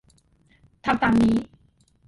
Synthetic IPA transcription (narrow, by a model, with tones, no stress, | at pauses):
t̪ʰa˧mt̪aː˧ŋniː˦˥